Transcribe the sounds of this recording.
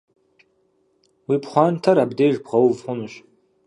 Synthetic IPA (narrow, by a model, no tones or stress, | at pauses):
wipχʷɑntʰɐɾabdejʒbʁɐwvχʷʊnɨɕʼ